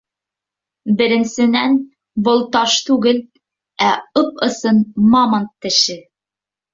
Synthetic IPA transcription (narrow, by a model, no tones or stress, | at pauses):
bɘ̆ɾɘ̆nsɘ̆næn | bɤ̆lˠt̪ɑʃt̪ʉɡɘl | æɤpɤ̆sɤnmɑmɑnt̪ːɘ̆ʃɘ